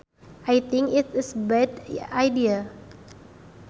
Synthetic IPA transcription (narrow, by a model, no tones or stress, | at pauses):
ʔajt̪ɪ̃ŋkɪtɪsbɛdajdia